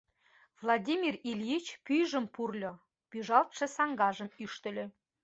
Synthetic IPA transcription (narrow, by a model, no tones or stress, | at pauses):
vlˠɑd̪ʲimʲirilʲit͡ɕpyjʒə̆mpurlʲo | pyʒɑlt̪ʃɤ̆sɑŋɡɑʒə̆myʃt̪ə̆lʲø̆